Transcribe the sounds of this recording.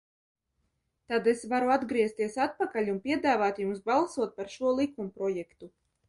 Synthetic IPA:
t̪ad̪esvaɾuad̪ɡɾiɛst̪iɛsat̪̚pakalʲunpʲiɛd̪aːvaːt̪jumsbalˠsuɔt̪̚paɾʃuɔlˠikumpɾɔjɛkt̪u

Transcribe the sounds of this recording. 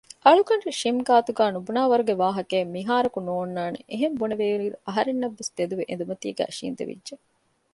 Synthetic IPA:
ʔɐɭukɐɳreʃimɡaːt̪uɡæːnubunaːʋɐɾuɡeʋaːɦɐkeːmiɦaːɾɐkunoːnːaːnḛʔeɦembuneʋeːɾiːɾuʔɐɦɐɾenːɐʋːest̪ed̪uʋeʔḛnd̪umɐt̪iːɡæ̰ːʃḭːnd̪ḛʋḭdːʒe

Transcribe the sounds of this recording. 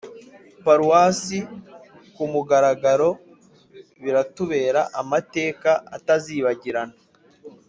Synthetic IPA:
paɾuwaːsi | kumuɡaɾaɡaɾo̞ | βiɾatuβe̞ːɾaʔamate̞ːkaa̰taziːβaɟiɾana

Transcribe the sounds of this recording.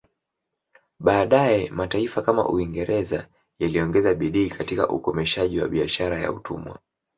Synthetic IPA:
ɓaːɗajɛmataifakama̰ʔṵiŋɡɛɾʔɛza | jaliɔŋɡɛzaɓiɗiːkatika̰ʔṵkɔmɛʃaʄiwa̰ɓiaʃaɾaja̰utʰṵmwa̰

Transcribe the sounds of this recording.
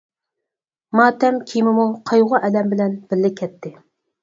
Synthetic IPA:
mɑːt̪ʰɛmkʲʰimɪmuqʰɑjʁʊʔɛlɛmbɪlɛnb̥ɪlːɪkʲʰɛt̪ʰːɪ

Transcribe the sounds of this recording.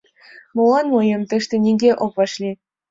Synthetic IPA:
mŏlˠɑnmɤjɤ̆mt̪ɤ̆ʃt̪ʲɘ̆nʲiɡʲeʔopvɑʂlʲi

